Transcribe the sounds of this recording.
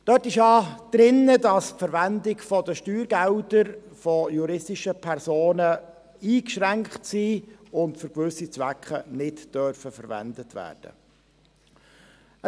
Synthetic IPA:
d̥œtɪʃjɑːd̪̥ɾɪnːədɑspfəɾvændɪɡfɔdəʃtyːɾɡæwdəɾfɔjuɾɪstɪʃəpʰɛɾsoːnə | iːkʃʁæŋkχtsiːʊntfʏɾkʋʏsːit͡svʋækχənɪtd̥œɾfəfəɾvæ̰ndətʋæ̰ːrd̥ə̰ | ə

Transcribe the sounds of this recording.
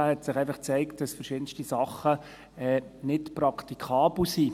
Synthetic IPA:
hɛtsɪχɛɪfɑχt͡sɛɪkt̚d̥ɑsfəɾʃɪdən̩stisɑχːə | ɛːnɪtprɑkʰt̪ikʰɑːbl̩siː

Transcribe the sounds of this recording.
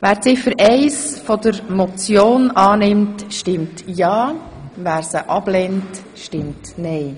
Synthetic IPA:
ʋæːɾt͡sɪfəɾʔɛɪsfɔdəɾmɔt͡sjoːnɑːnɪmtʃtɪmtjɑː | væːɾsəʔɑb̥lɛnt | ʃtɪmtnɛɪ

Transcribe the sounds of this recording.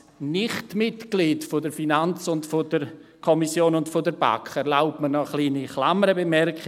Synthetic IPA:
nɪχtmɪtɡ̥litfodəɾfinant͡sʊntfodəɾkʰɔmisjoːnʊntfodəɾba̰kʰɛɾlaʊpmənɔχliːniχla̰məɾəbəmɛrkχ

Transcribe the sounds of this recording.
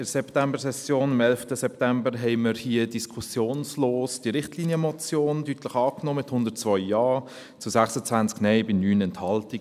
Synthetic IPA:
ɪsɛptɛmbəɾsɛsjoːnɑmɛlftəsɛp̚tɛmbəɾɦɛɪməɾhiədiskʰusjoːnsloːsd̥iɾɪχtliːnjəmɔt͡sjoːndytləχɑːknoːmɪthʊndəɾt͡svɔʏːɑː | t͡susæksət͡svænt͡sknɛɪbɪnyːnɛnthɑlti

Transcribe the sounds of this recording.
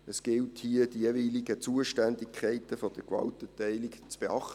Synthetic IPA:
əsɡ̥ɪlthiədijeviːliɡət͡suəʃtændikʰɛɪtəfod̥əkʋɑ̰ltətɛɪlikt͡sb̥eɑχtə

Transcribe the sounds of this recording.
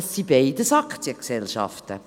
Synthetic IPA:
sːib̥eɪdəsɑkt͡siəksɛlʃɑ̰ftə

